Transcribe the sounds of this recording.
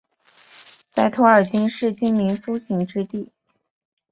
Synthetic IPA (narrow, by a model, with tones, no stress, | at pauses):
t͡sa˥˩ɪt̪ʰo˧˥ə˞˨˩t͡ɕi˥ŋʂɻ̩˥˩t͡ɕi˥ŋmi˧˥ŋsu˥ɕi˧˥ŋʈ͡ʂɻ̩˥t̪i˥˩